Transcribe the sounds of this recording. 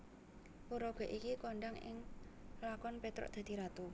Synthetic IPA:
puɾɔɡ̥ɔ̤ʔikikɔɳɖaŋɪ̰ŋlakɔnpet̪ɾɔ̰ʔd̪̥a̤d̪̥i̤ɾat̪u

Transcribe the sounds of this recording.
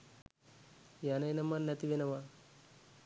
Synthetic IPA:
janɐjnɐmɐnːɐt̪iʋenɐʋa

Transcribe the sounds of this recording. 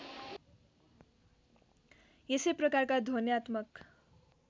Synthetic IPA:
esejprʌkarkad̪ʱonjat̪mʌk

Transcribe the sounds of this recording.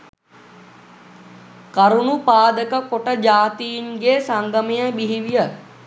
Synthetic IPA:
kɐɾunupaːd̪əkəkoʈəd͡ʒaːt̪ijinɡeːsaŋɡɐmejəbiɦiʋijə

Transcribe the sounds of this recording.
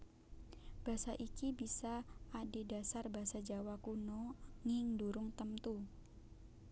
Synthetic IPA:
b̥asaʔikibisaʔːdedasarbaɦsad͡ʒawakunɔŋiŋduɾʊŋt̪əmt̪u

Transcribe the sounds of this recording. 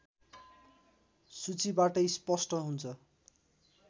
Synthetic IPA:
sut͡sibaʈʌjspʌsʈʌɦunt͡sʰʌ

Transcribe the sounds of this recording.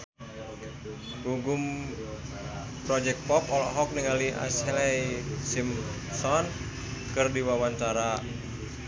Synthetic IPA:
ɡuɡum | pɾɔd͡ʒɛk̚t̚pɔpɔlɔɦɔk̚niŋaliʔa̰slɛjsim | sɔn | kɨrdiwawaɲt͡ʃaɾa

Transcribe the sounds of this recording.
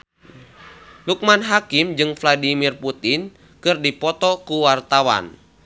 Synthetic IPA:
luk̚manɦakimd͡ʒɨŋfladimirput̪in | kɨrdipɔt̪ɔkuwart̪awa̰n

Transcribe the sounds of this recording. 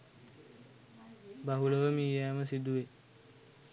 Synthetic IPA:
baɦuləʋəmiːjeaməs̬id̪uʋe

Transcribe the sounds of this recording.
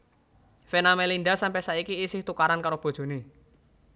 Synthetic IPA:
fenamelinɖasampɛsaikiːsɪht̪ukaɾankaɾob̥o̤d̥ʒ̥o̤ne

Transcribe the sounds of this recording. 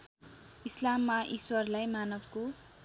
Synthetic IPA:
islamːaʔiswʌrlajmanʌbʱko

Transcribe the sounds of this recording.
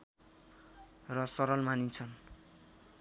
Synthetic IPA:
rʌsʌɾʌlmanit͡sʰʌn

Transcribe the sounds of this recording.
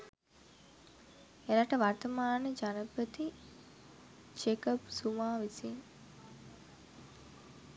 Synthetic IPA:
eɾaʈəʋart̪əmaːnəd͡ʒanəpət̪i | d͡ʒekəpsumaːʋisiŋ

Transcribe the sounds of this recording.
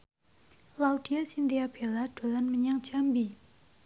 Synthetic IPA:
lawʈ͡ʂʰiasind̪ijapʰelːaʈ͡ʂolːanməɲaŋt͡ɕʰampi

